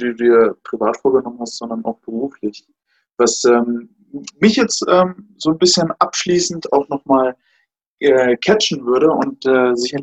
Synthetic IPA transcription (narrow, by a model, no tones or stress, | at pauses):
duddiːɐpʁ̥ivaːtfoːɐɡənɔmənhastz̥ɔndɐna̰ʊxb̥əʁuːflɪç | vasʔɛːm | mɪçjɛt͡stʔɛːmzoːnbɪsçənʔapʃliːsn̩taʊxnɔχmaːl | ʔɛːkʰɛt͡ʃn̩vʏɐɾəʔʊ̰ntɛːzɪçɐ